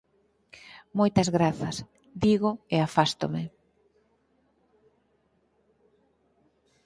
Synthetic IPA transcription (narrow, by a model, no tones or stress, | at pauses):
mojt̪ɐzɣɾaθɐs | d̪iɣoeafast̪ʊmɪ